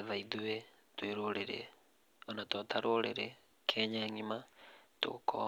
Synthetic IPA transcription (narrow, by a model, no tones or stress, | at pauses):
eðaiðue | tweɾoɾeɾḛ | onatotʰaɾoɾḛɾe | kʰeɲaŋimato̰kʰo̰